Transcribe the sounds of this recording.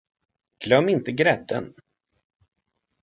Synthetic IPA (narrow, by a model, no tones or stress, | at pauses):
ɡ̥lœmːɪnt̪əɡɾɛd̪ːə̰n